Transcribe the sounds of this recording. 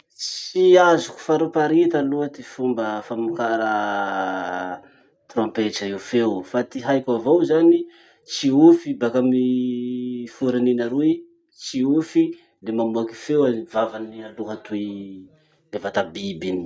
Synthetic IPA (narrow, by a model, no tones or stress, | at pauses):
t͡siazuku̥faɾupaɾit̪aluat̪ifumbəfamukaɾə | t̪ɾompet͡ʃaewfewfat̪iɦajkavowzani | t͡siufibakami | fuɾininaɾui | t͡siufi | lemamuaki̥fewaivavanialuɦat̪ui | levat̪abibini̥